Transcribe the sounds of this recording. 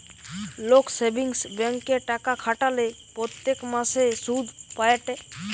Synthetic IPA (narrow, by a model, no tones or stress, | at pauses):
loksebiŋsbɛŋkːeʈakakʰaʈale | pɾɔt̪jekmãsesud̪ʱpajeʈe